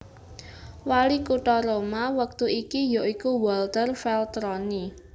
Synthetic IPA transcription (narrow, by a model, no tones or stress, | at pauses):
walikuʈɔɾomawək̚t̪uikijoʔikuwɔlt̪ərfɛlt̪ɾɔni